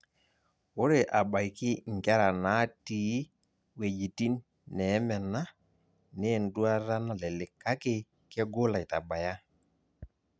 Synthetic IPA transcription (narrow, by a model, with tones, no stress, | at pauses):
ʊ˦ɾe˨ʔa˨ɓa˨jkɪ˦ŋ˨kɛ˦ɾa˨na˨˦ti˨˦ | we˨d͡ʒi˨ti˦nː | ɛ˨˦mɛ˨na˦ | ne˦˨n˨du˦a˦ɾa˦na˦lɛ˨lɪ˨kːa˦ke˦ | kɛ˦ɡo˦la˨i˨ta˨ba˨ja˦